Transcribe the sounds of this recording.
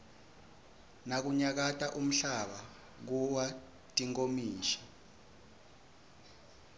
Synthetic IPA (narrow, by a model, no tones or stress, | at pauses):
nak̬uɲak̬atʼaʔum̩ɬaɓa | k̬uwa | tʼiŋʼomiːʃɛ̥